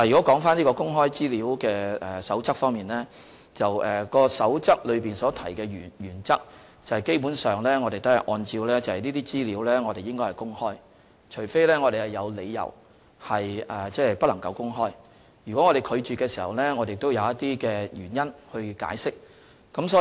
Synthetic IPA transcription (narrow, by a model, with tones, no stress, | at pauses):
aː˨jyː˨kɔ˨˥kɔː˨˥ŋfaː˥nli˥kɔː˧kʊ˥ŋɦɔː˥jt͡siː˥liː˨˧˥wkɛː˧ɛ˨sɐ˨˥wt͡sɐ˥k̚fɔː˥ŋmiː˨nlɛː˥ | t͡sɐ˨wɛː˨kɔː˧sɐ˨˥wt͡sɐ˥k̚lɵ˨˧ɥpiː˨nsɔː˨˦˥t̪ʰɐ˨˩jkɛː˧jyː˨˩jyː˨˩nt͡sɐ˥k̚ | t͡sɐ˨whɐ˨jke˥jpuː˨˥nsœː˨ŋlɛː˥ŋɔː˨˧ɾe˨jt̪ɐ˥hɐ˨˩ʔɔː˧nt͡siː˧wlɛː˥t͡sɐ˨whɐ˨˩niː˥t̪iː˥t͡siː˥liː˨˥wlɛː˥ŋɔː˨˧ɾe˨jɪ˥ŋkɔ˥hɐ˨˩kʊ˥ŋhɔː˥j | t͡ʃʰɵ˨˩jfe˥jlɛː˥ŋɔː˨˧ɾe˨jhɐ˨jɐ˨˧wle˨˧jjɐ̰˨˩w | hɐ˨jɛː˨t͡sɛː˥pɐ˥lɐ˨˩ŋkɐ˨˧wkʊ˥ŋɦɔː˥j | jyː˨˩kɔ˨˥ŋɔː˨˧ɾe˨jkʰɵ˨˧ɥt͡ʃyː˨kːɛː˧si˨˩hɐ˨˩wlɛː˥ŋɔː˨˧de˨ɪkt̪o˥wjɐ˨˧wjɐ˥t̪iː˥kɛː˧jyː˨˩njɐ˥nhɵ˧ɥka̰ː˨˥jsɪ˥k̚ː | ɐ˨˥msɔː˨˥